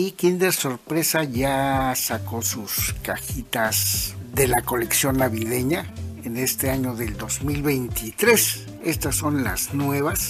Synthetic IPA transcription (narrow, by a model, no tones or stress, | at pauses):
ikind̪eɾsoɾpɾesaʝasakosuskaxit̪asðelakoleksjonːaβiðeɲaenest̪eaɲoðeld̪ozmilβejnt̪it̪ɾes | est̪asːonla̰znweβas